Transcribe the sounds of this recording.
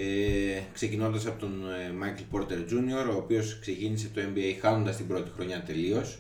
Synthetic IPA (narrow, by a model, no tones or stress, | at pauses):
ekse̞cino̞nd̪ɐsɐpo̞t̪onmɐjkelpo̞ɾt̪e̞ɾzunio̞ɾo̞ːpio̞skse̞cinise̞t̪o̞e̞mbiejxɐnond̪ɐst̪imbɾo̞t̪ixɾo̞ɲɐt̪e̞lio̞s